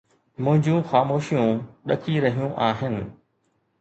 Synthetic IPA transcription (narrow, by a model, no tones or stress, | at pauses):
mʊ̃ɦɪ̃ɲd͡ʑũxaːmoːʃijũɗɐkʰiɾɐɦijũʔaːɦɪnɪ̆